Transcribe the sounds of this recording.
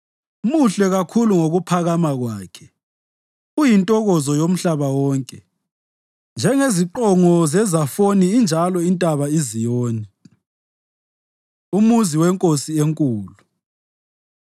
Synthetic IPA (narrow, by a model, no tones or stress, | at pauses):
muɬɛɣakʰuluŋoɣupʰaɣamaɣwaːkʰɛ | ujintʼɔɣɔzɔjom̩ɬaβawɔːŋkʼɛ | nd͡ʒʱɛŋeziǃɔŋɔzɛzafoniːnd͡ʒʱalɔintʼaβaizijɔːnɛ | umuziwɛŋkʼosieŋkʼuːlu